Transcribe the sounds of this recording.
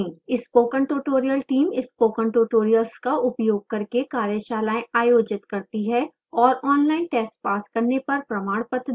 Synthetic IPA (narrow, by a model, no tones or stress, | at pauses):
ĩɪspoːkə̃ɳʈuːʈoːɾijəlʈiːmɪspoːkə̃ɳʈuːʈoːɾijəlskaʔʊpjoːɡ̚kɐɾkekaːɾjəʃaːlaːẽaːjoːd͡ʒɪt̪kɐɾt̪iɦɛː | ɔːɾɔːnlaːɪnʈeːsʈpaːskɐɾnepɐɾpɾɐmaːɽ̃pət̪